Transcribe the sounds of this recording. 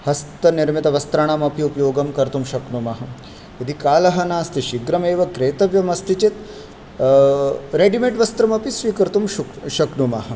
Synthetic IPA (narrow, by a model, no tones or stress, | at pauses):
hɐst̪ɐniɾmit̪ɐʋɐst̪ɾɐɳamɐpiupɐjoːɡɐmkɐɾt̪umʃɐknumɐɦɐ | id̪ʱikaːlɐɦɐnaːɐst̪iʃiɡɾɐmeːʋɐkɾeːt̪ɐʋjɐmɐst̪it͡ʃit̪ | ɾeːɖimeʈʋɐst̪ɾɐmɐpisʋiːkɐɾt̪umʃuʃɐknumaɦɐ̆